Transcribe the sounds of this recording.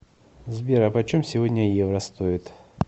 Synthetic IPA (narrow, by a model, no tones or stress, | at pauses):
zbʲeɾəpɐt͡ɕomsʲɪvodʲnʲəjevrəst̪oɪt̪